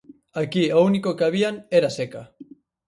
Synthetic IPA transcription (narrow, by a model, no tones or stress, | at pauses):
akiounikokeaβiaŋeɾaseka